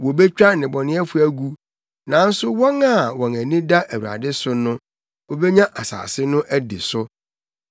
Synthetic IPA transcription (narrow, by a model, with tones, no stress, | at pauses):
wɔ˨be˦t͡ɕᶣa˦nɪ̃˨bɔ˨nɪ̃˦ɛ˦fu˦æ˦ɡu˦ | nã˨˦n̩˦sʊ˦wɔ̃˦ŋa˨wɔ̃˨næ̃˨nĩ˦da˦ʔæ˨wu˨ɾa̰˨dɪ˦sʊ˦nʊ̃˦ | wɔ˨be˦ɲã˦ʔa˨sa̰ː˨sɪ˦nʊ̃˦ʔæ˦dɪ̰˨sʊ˦